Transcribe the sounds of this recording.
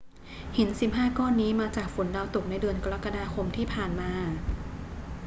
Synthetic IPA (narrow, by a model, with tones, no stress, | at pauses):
he˩˦nsi˨˩p̚ɦaː˥˩kɔː˥˩nːiː˦˥maː˧t͡ɕaː˨˩k̚fu˩˦nda˧wt̪u˨˩k̚na˧jdɯ˧ənka˧ɾa˦˥kːa˧daː˧xʰo˧mt̪ʰiː˥˩pʰaː˨˩nmaː˧